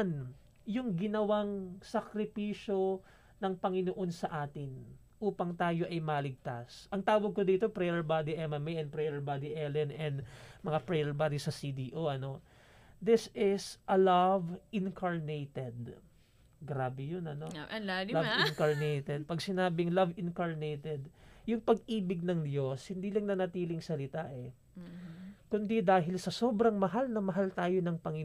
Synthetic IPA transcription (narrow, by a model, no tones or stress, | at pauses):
n | jʊŋɡɪnɐwaŋsɐkɾɪpiːʃo̞ | nɐŋpɐŋɪnoʔo̞nsɐʔaːt̪ɪn | ʔuːpɐŋt̪aːjo̞ʔɐjmɐlɪɡ̚t̪asʔɐŋt̪aːwɐɡ̚kod̪iːt̪o̞pɾɛjɛɹbad̪iʔɛmɐmɛjʔɐnpɾɛjɛɹbad̪iʔɛlɛnʔɛnd̪mɐŋapɛjɛɹbad̪isɐsid̪iʔoʔɐno̞ | d̪ɪsɪsʔɐlɐvʔɪnkʰɐɹnejt̪ɛd̪ | ɡɾaːbɛjonɐnolavɪnkɐɹnejt̪ɛd̪̚pɐɡsɪnaːbɪŋlɐvɪnkɐɹnejt̪ɛd̪jʊŋpɐɡʔiːbɪɡ̚nɐŋd̪jo̞shɪnd̪iːlɐŋnɐnɐt̪iːlɪŋsɐlɪt̪aʔɛ | kʊnd̪id̪aːɦɪlsɐso̞ːbɾɐŋmɐɦalnɐmɐɦalt̪aːjo̞nɐŋpɐŋi